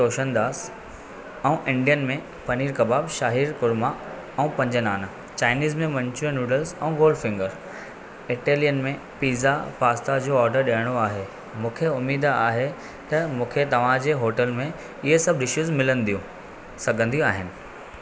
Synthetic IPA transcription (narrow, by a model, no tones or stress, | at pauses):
oːʃənd̪aːs | ɛ̃ũʔɪ̃ɳɖijənmẽ | pɐniːɾkɐbaːbʃaːɦiːɾkʊɾma | ɛũpɐ̃ɲd͡ʑənaːn | t͡ɕaːɪniːzmẽmɐ̃ɲt͡ɕuə̃nuːɖəlsɛ̰̃ũɡoːlɖfɪ̃ŋɡəɾ | ɪʈeːlijənmẽ | piːzafaːst̪ad͡ʑoːɔːɾɖəɾɗiːəɽ̃oaːɦe | mũːkʰeʊmiːd̪aːɦe | t̪ɐmũːkʰet̪ɐʋ̤ãd͡ʑeːɦoːʈəlmẽ | ɪɦesɐbʱɗɪʃuzmɪlənɪ̆d̪ijũ | sɐɡʱə̃nd̪ijũaːɦɪnɪ̆